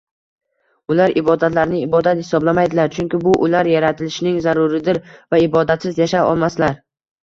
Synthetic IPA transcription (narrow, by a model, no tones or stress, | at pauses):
ʊlaɾɪbɒd̪at̪laɾnɪɪbɒd̪at̪hɪsɒblamajd̪ɪlaɾt͡ʃʰʊŋkʲɪbʊʔʊlaɾjaɾat̪ʰɪlɪʃnɪŋzaɾʊɾɪd̪ɪɾvaɪbɒd̪at̪sɪzjaʃaɒ̰lˠmaslaɾ